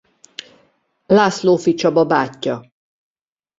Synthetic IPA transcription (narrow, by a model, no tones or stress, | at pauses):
laːsloːfit͡ʃɒbɒbaːcːɒ